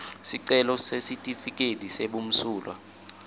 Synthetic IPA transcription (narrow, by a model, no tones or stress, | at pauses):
siǀɛlɔsesitʼifik̬ʼediseɓum̩suːlwa̰